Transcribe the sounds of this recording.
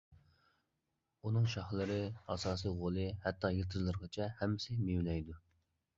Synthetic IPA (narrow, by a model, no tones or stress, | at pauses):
unɨŋʃɑχlˠɨɾɨɑsɑːsiʁolˠɨhɛt̪ʰːɑjəɾt̪ʰɨzlˠɨɾʁɑt͡ʃʰɛhɛmːɪsɪmewlɛjd̪u